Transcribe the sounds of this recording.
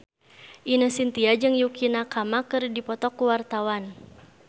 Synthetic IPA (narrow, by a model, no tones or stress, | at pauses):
ʔinəsint̪iad͡ʒɨŋjukinakamakɨrdipɔt̪ɔkːuwart̪awan